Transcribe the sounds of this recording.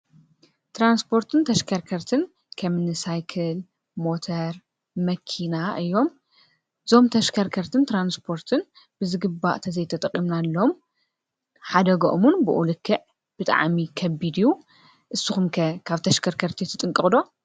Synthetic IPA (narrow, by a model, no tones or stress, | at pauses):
t̪ʰɾanspʰo̞ɾt̪ʰɨnt̪ʰɐʃkʰɐɾkʰɐɾt̪ʰɨn | kʰɐmɨnɨsajkʰɨl | mo̞t̪ʰɐɾ | mɐkʰinaʔɨjːom | ɨzo̞mt̪ʰɐʃkʰɐɾkʰɐɾt̪ʰɨnt̪ɾanspʰo̞ɾt̪ʰɨn | bɨzɨɡɨbːa̰ʔt̪ʰɐzɐjt̪ʰɐt̪ʼɐqʼimnalːɐom | ħad̪ɐɡoʔomunbɨʔulɨkʰːɨʕ | b̥ɨt̪ʼa̰ʕmikʰɐbːid̪ju | ʔɨsːɨxumkɐkʰaβt̪ʰɐʃkʰɐɾkʰɐɾt̪ʰit̪ʰːɨt̪ʼɨŋkʼɨχʼd̪o̞